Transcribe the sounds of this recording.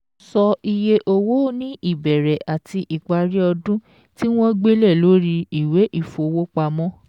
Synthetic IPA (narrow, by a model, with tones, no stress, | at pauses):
sɔ˧i˧je˧ʔo˧wo˦nĩ˦ʔi˦˨bɛ˨ɾɛ˨ʔa˨ti˧ʔi˨k͡pa˧ɾi˦ɔ˧dũ˦ | ti˦w̃ɔ̃˦ɡ͡be˦lɛ˦˨lo˨˦ɾi˧i˨we˨˦ʔi˦˨fo˨˧wo˦k͡pa˧mɔ̃˦